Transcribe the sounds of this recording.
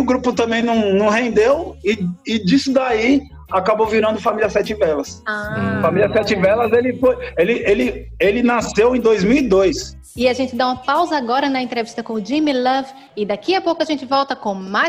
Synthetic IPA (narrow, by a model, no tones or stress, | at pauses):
ʊɡɾupʊt̪ɐ̃mbẽj̃nɐ̃w̃nɐ̃w̃ɦẽnd̪ewɪɪd͡ʒisʊd̪ai | akabowviɾɐ̃d̪ʊfamiliɐsɛt͡ʃivɛlɐsafamiliɐsɛt͡ʃivɛlɐzelɪfojelɪʔelɪ | elɪnasewẽj̃d̪ojzmiwid̪ojs | ɪaʒẽnt͡ʃɪd̪aũmɐpawzɐaɡɔɾɐnɐẽnt̪ɾevist̪ɐkõʊd͡ʒĩmilɐv | ɪd̪akiɐpowkʊaʒẽnt͡ʃɪvɔwt̪ɐkõmaj